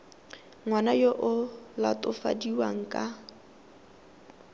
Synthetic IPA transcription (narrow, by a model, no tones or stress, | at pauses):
ŋwanajoʔʊlatʼʊfa̰diwa̰ŋ̩kʼa